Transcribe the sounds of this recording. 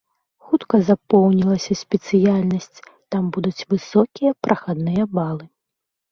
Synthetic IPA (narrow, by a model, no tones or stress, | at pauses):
xut̪kɐzapɔwnʲilˠɐsʲɐsʲpʲɛt̪sɨjalʲnɐsʲt͡sʲt̪ambud̪ut͡sʲvɨsɔkʲijɐpɾʔɐxad̪nɨjɐbalˠɨ